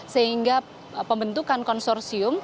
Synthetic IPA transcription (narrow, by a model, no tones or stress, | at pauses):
səiŋɡa | pəmbənt̪ukankɔnsɔrsiʊm